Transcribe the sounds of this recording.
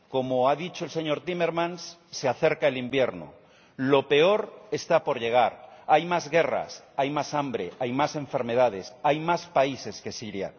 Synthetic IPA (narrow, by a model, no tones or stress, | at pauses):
ko̞moaðit͡ʃoelseɲo̞ɾt̪imeɾmãnsː | eaθeɾkaelimbjeɾno̰ | lo̞pe̞oɾe̞st̪apo̞ɾʎe̞ɣ̞aɾajmazɣera̰s | ajmasambɾeʔajmasẽ̞ɱfe̞ɾme̞ðað̞esajmaspaise̞ske̞siɾja̰